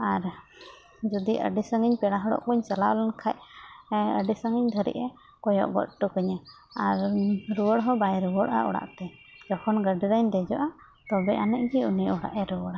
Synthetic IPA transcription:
aɾ | d͡ʒɔd̪iʔə̰ɖisəŋiɲpɛɽaɦɔɽɔ̰ʔkuɲt͡ʃalalankʰaʔ | əɖisəŋiɲd̪ʱəɾɛ̰ʔɛ | kɔjɔ̰ʔbɔ̰ʔ̪̚ʈukəɲa | aɾɾuwəɽɦɔbajɾuwɔɽʔa̰ʔɔ̰ɽa̰ʔt̪ɛ | d͡ʒɔkʰɔnɡəɖiɾaɲd̪ɛd͡ʒɔʔa | t̪ɔbɛʔanɛʔɡiunijɔɽa̰ʔɛɾuwɔɽa

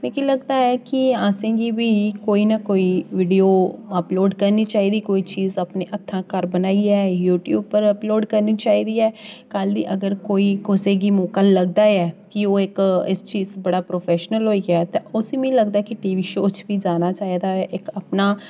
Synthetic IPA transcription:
mɛ̃ːkiləɡd̪aːɛːkɪaːsẽːɡiːbiːkoːiːnakoːiːʋiːɖijoːəploːɖkəɾniːt͡ʃaːiːd̪iːkoːiːt͡ʃiːzapneːʔət̪ʰːãːkəɾbənaːiːɛːjuːʈjṵːb̚pəɾəploːɖkəɾniːt͡ʃaːiːd̪iːɛːkəld̪iːʔəɡəɾkoːiːkʊsẽːɡiːmoːkaːləɡ̚d̪aːɛːkɪoːɪkɪst͡ʃiːzbəɽaːpɾoːpʰɛːʃnəlɦoːiːɡat̪ẽːʊsimɛ̃ləɡd̪aɛkiʈiːʋiːʃoːt͡ʃʋiːd͡ʒaːnaːt͡ʃaːiːd̪aːɛːʔɪkapnaː

